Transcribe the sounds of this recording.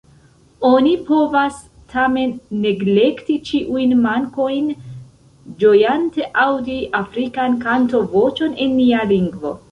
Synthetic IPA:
o̞nipo̞vas | tʰame̞nːe̞ɡle̞ktit͡ʃiʔujnmaŋko̞jn | d͡ʒo̞jante̞ʔawdiʔafɾikankanto̞vo̞t͡ʃo̞ne̞nːialiŋɡvo̞̰

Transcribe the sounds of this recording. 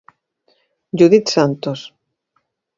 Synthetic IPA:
d͡ʒuðit̪sant̪os

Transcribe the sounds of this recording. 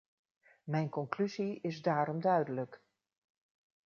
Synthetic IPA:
mɛjnkɔŋklyziɪzdaːɾɔmdœɥdələk

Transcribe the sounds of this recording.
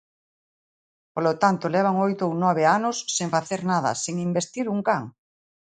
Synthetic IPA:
polot̪ant̪olɛβ̞aŋojt̪ownɔβ̞eanosːeŋfaθeɾnaðɐ̰seŋimbest̪iɾuŋkaŋ

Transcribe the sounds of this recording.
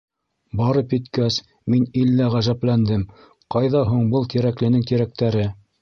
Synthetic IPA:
bɑɾɤpjɘ̆t̪kæs | minilːæʁæʒæplænd̪ɘm | qɑjðɑɦuɴbɤlˠt̪iɾæklɘ̆nɘŋt̪iɾæk̚t̪æɾɘ

